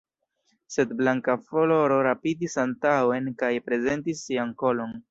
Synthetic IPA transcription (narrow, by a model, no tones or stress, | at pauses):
se̞dblaŋkafolo̞ɾo̞ɾapidisantawe̞nkajpɾe̞ze̞ntisːianko̞lo̞n